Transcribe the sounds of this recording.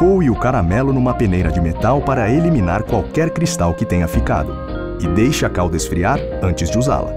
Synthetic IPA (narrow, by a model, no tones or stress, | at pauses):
kowiʊkaɾamɛlʊnũmɐpenejɾɐd͡ʒɪmet̪awpaɾɐelimĩnaɾkwawkɛɾkɾist̪awkɪt̪ẽɲɐfika̰d̪ʊ | ɪd̪ejʃɐakawd̪ɐɪsfɾiaɾ | ɐ̃nt͡ʃɪzd͡ʒɪuza̰lɐ̰